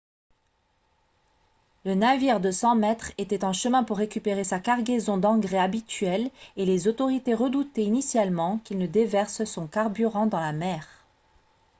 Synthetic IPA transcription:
lənaviʁd̪əsɑ̃mɛt̪χet̪ɛt̪ɑ̃ʃəmɛ̃puʁːekʲypeʁesakaʁɡʲezɔ̃d̪ɑ̃ɡʁeabit̪ɥɛlelezot̪ɔʁit̪eʁəd̪ut̪einisjalmɑ̃kilnəd̪evɛʁssɔ̃kaʁbyʁɑ̃d̪ɑ̃lamɛːʁ

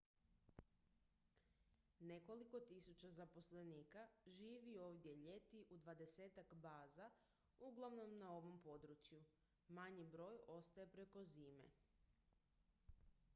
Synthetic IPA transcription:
ne̞ko̞liko̞t̪isut͡ɕazapo̞sle̞niːkaʒiːʋio̞ːʋd̪je̞ʎe̞t̪iʔud̪ʋad̪e̞se̞ːt̪akbaːza | uɡlˠaʋno̞mnao̞ʋo̞mpo̞d̪ɾut͡ʃju | maɲibɾo̞ːjo̞st̪aje̞pɾe̞ko̞ziːmḛ

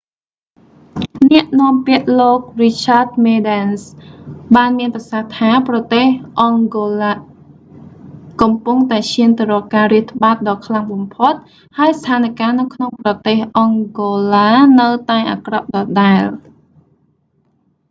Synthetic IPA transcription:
nɛ̆əʔnɔ̆əmpiəʔloːk̚rit͡ɕʰaːt̪̚meːɗɛnsɓaːnmiənprɑsaht̪ʰaːprɑt̪eːhʔɑŋɡoːlaː | kɑmpuŋt̪aɛt͡ɕʰiənt̪əɾɔːlkaːriəht̪ʰːə̆ɓaːt̪̚ɗɑːkʰlaŋɓɑmpʰot̪̚ | haəjst̪ʰaːnkaːnɨwkʰnoŋprɑt̪eːhʔɑŋɡoːlaːnɨwt̪aɛʔa̰ːkrɑp̚ɗɑːɗaɛl

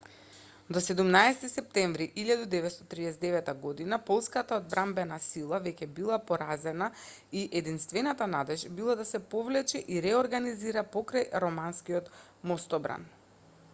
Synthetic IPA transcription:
d̪ɔsɛd̪umnaɛsɛ̥t̪isɛp̚t̪ɛɱvɾiʔiʎad̪ud̪ɛvɛt̪st̪ɔt̪ɾiɛsɛd̪ɛvɛt̪aɡɔd̪inapɔlˠskat̪aod̪̚bɾʔambɛnasilˠavɛcɛbilˠapɔɾazɛna | iʔɛd̪inst̪vɛnat̪anad̪ɛʒbilˠad̪asɛpovlɛt͡ʃɛʔiɾɛoɾɡaniziɾapɔkɾajɾɔmanskiɔt̪ | mɔst̪ɔbɾa̰n

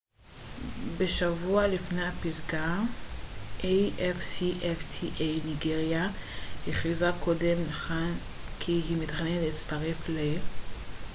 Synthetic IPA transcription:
be̞ʃavualifnejapizɡa | ʔejʔefsiʔeftʰiʔejniɡeʁjahiχizakʰodemnaχan | kʰiɦimit̪χanentit͡staʁefle

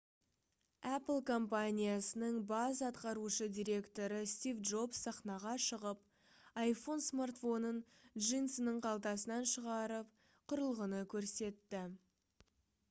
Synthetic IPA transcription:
æpəlˠkʰo̞mpanʲijasənəɴbɑzɑt̪qɑɾuʃəd̪iɾe̞kt̪o̞ɾəst̪ivd̪ʒo̞psɑχnɑʁɑʃəʁəp | ɑjfo̞nsmart̪fo̞nənʒijnsənəɴqʰɑlˠt̪ɑsənɑnʃəʁɑɾəp̚ | qʰʊɾəlˠʁənəkʲʰɵɾse̞t̪ːɪ

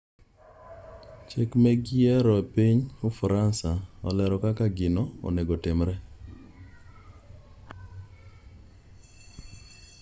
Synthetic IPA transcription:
t͡ʃekmɛɡɪɛɾɔpiɲofɾansaɔ̰lɛɾɔkakaɡɪnɔɔ̰neɡotɪmɾɛ

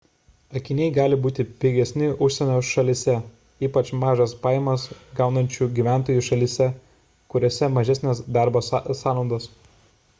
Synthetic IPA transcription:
ɐkʲɪnʲɛɪɡɑːlʲɪbuːt̪ʲɪpʲɪːɡʲɛsʲnʲɪʔʊʃʲsʲɛnʲoːʃɐlʲɪsʲɛ | iːpɐt͡ʃmɑːʒɐspɑːjɛmɐsɡɑˑʊnɐnʲt͡ʃʲuːɡʲiʋʲæˑnt̪oːjuˑʃɐlʲɪsʲɛ | kʊɾʲoːsʲɛmɐʒʲɛsʲnʲɛsd̪ɑˑɾbosɑːnˠɐʊd̪ɐs

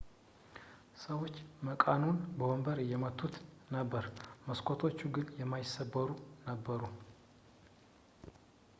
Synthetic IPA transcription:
səwo̞t͡ʃːməkʼanunbəwombəɾɨjːɛmət̪ʰʼːut̪nəbːəɾməskʰot̪ʰo̞t͡ʃːuɡɨnjɛmːajɪsːəbːəɾunəbːəɾu

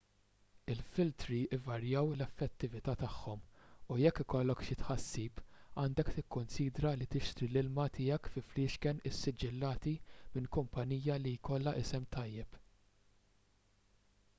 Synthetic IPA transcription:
ɪlfɪlt̪ɾiɪvɐɾjɐwlɛfːɛt̪ːɪvɪt̪ɐt̪ɐħːɔmujɛkːɪkɔlːɔkʃɪt̪ħɐsːiːpɐːnd̪ɛkt̪ɪkːʊnsiːd̪ɾɐlit̪ɪʃt̪ɾilɪlmɐt̪ɪjɛkfɪflɪːʃkɛnɪsːɪd͡ʒːɪlːɐːt̪imɪnkʊmpɐniːjɐlijkɔlːɐʔɪsɛmt̪ɐjːɛp

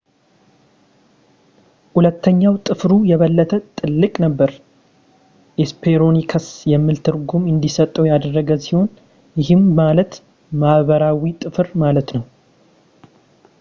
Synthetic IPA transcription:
hulət̪ːəɲːawt̪ʼɨfɾujɛβəlːət̪ʰət̪ʼɨlːɨkʼnəbːəɾ | ʔespʰeɾonikʰəsjɛmːɨlt̪ʰɨɾɡumɨnd̪isət̪ʼːəwjad̪ərːəɡəsiho̞n | jɪɦɨmːalət̪ | maβəɾawit̪ʼɨfɨɾmalət̪nəw

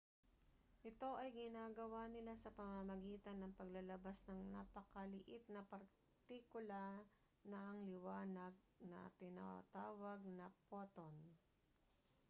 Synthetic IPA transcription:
ʔɪt̪o̞ʔɐjɡɪnaːɡɐwanɪlasɐpɐmamɐɡiːt̪ɐnːɐŋpɐɡlɐlɐbasnɐŋnapɐkɐlɪʔɪt̪̚nɐpɐɾ | t̪ikʊla | nɐʔɐŋlɪwaːnɐɡ̚nɐ̰t̪ɪna̰t̪aːwɐɡ̚nɐpot̪on

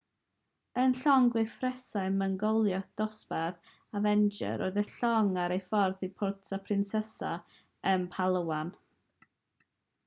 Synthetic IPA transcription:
ənɬɔŋɡwɪfrɛsaɨməŋɡowlˠjɔd̥ɔspɛð | avɛnd͡ʒɛ̰ɾoɨðəɬɔŋaɾejfɔrθipʰʊrtʰapʰrɪnsɛsa̰ | ənpʰalˠəwan

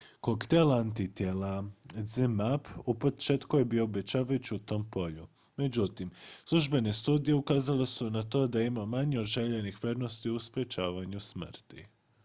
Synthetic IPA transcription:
kokt̪elant̪it̪jelazimapupo̞t͡ʃet̪kuje̞bio̞obe̞t͡ɕaːʋajut͡ɕiut̪o̞ːmpo̞ʎu | me̞d͡ʑut̪imslˠuʒbe̞ne̞st̪uːd̪ije̞ukaːzale̞sunat̪o̞d̪aimamaɲio̞d̪ʒe̞ʎe̞nixpɾe̞d̪no̞st̪iuspɾe̞t͡ʃaːʋaɲusmrrt̪ḭ

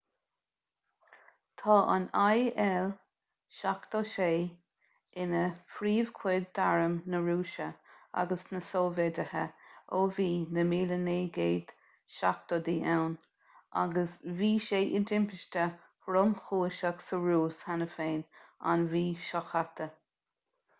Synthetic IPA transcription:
t̪ʰɑːʔa̰najɛl | ʃakt̪oʃeː | ɪnəfɾiːv̥kʰw̥ɪd̪ːaɹəmnəɹuːʃəa̰ɡəsnəsoːvɛdəhəoviːnəmiːləneːɡeːd̪̥ | ʃa̰k̚t̪od̪iːʔɛwn | ʔa̰ɡəsviːʃeːʔɪdɪmpɪʃtə | həɾʊmxuːʃaksəɹuːshanəfeːna̰nviːʃɔxat̪ʰə

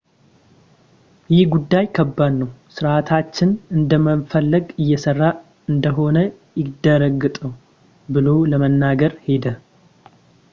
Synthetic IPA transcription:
jɪhɡud̪ːajkʰəbːadːəwsɨɾʔat̪ʰat͡ʃːɪnɨnd̪əmənfəlːəɡɨjːɛsərːa | ɨnd̪əɦo̞nə | jɪd̪əɾəɡɨt̪ʼəw | bɨlo̞ləmənːaɡəɾhe̞d̪ə

